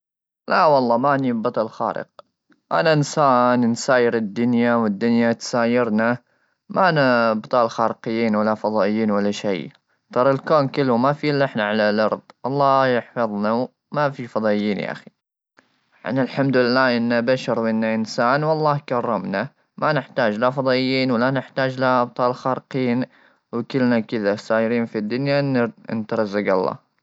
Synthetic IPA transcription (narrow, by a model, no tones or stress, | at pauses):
lawɑlˤːɑːmanibɑt̪ˤɑlxa̰ːɾɪ̰q̚ | ʔa̰naʔɪnsaːnnsaːjɪɾɪd̪ːʊnjawɪd̪ːʊnjat̪saːjɪɾna | maʔnabt̪ˤɑːlxaːɾɪqɪjːiːnwalːafɑðˤɑːʔɪjːiːnwalːaʃḛj | t̪ˤɑɾˤɪlkoːnkɪlːumafilːɪħnaʕalalʔɑ̰ɾˤðˤwʔɑlˤːɑːjɪħfɑðˤna | mafifɑðˤɑːʔɪjːiːnja̰ʔa̰xi̥ | ʕa̰nɪlħamd̪ʊlɪlːaːʔɪnːabaʃɑɾˤwɪnːaʔɪnsaːnwɑlˤːɑːkɑrˤːɑmna | manɪħt̪aːd͡ʒlafɑðˤɑːʔɪjːiːnwalanɪħt̪aːd͡ʒlab̚t̪ˤɑːlxɑːɾqiːn | wɪkɪlnakɪðasaːjɪɾiːnfid̪ːʊnjaʔɪnːnt̪aɾˤɑzːaɡɑ̰lˤːɑ̰ː